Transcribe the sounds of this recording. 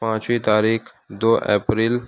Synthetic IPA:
pãːt͡ʃwit̪aːɾiːx | d̪oːʔɛ̰ːpɾiːl

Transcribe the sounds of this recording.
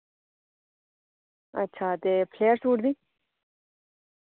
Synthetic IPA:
ɐ̰tːt͡ʃʰaːt̪epʰleːsuːɽd̪i

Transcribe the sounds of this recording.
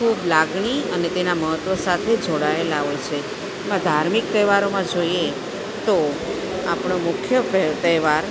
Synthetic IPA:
kʰublaɡɳ̃iənet̪enaməɦət̪ʋəsat̪ʰed͡ʒoɽaelaʋət͡ʃʰe | emãd̪ʱaɾmik̚t̪əʋaɾomãd͡ʒoje | t̪o | a̰pɳomʊkʰjəpt̪əʋaɾ

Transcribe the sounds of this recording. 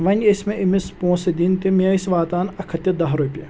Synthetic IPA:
ʋɐnʲesʲmeʔimispõːsɐd̪int̪imʲɐisʲʋaːt̪aːnɐkʰɐt̪ʲid̪ɐɦɾupʲijɐ

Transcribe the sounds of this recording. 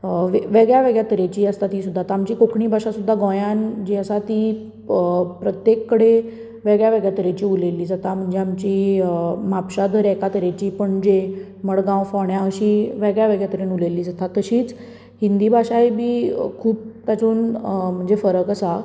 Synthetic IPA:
ʋeʋeɡɭjaʋeɡɭjat̪əɾet͡ɕiːəst̪at̪iːsud̪ʱːat̪aamt͡ɕiːkokɳiːbʱaʂasud̪ʱːaɡɔ̃jand͡ʑiəsat̪i | pɾət̪jekːəɽe | ʋeɡɭjaʋeɡɭjat̪əɾet͡ɕiːulelːiːd͡zat̪am̤əɳd͡zeamt͡ɕiːmapɕad̪əɾɛkat̪əɾet͡ɕiːpəɳd͡ʑe | məɽɡãwfɔɳjãəɕiːʋeɡɭjaʋeɡɭjat̪əɾiːnulelːiːd͡zat̪at̪əɕiːt͡s | hind̪iːbʱaʂajbʱiːkʰuːp̚t̪jat͡suːnm̤əɳd͡zefəɾəkəsa

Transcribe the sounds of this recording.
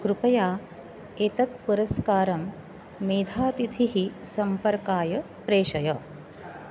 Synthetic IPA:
kɾupɐjaː | et̪ɐt̪̚puɾɐskaːɾɐmː | eːd̪ʱaːt̪it̪ʰiɦisɐmpɐɾkaːjɐ | pɾeːʃɐjɐ

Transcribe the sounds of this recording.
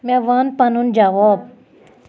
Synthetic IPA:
mɛ̃ʋanpɐnund͡ʒaʋoːb̚

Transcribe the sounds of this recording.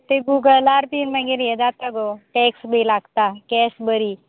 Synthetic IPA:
t̪eɡuɡəlaɾpinmaɡeɾjed͡zat̪aɡoʈɛksbʱilaɡt̪akɛsbəɾi

